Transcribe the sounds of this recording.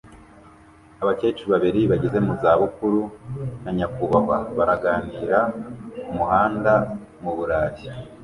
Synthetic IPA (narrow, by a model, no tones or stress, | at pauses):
aβakeːt͡ʃiβaβiɾiβaɟeze̞muzaːβukuɾunaɲakuβawa̰βaɾaɡaːniːɾaumuhaːnda | muβuɾaːji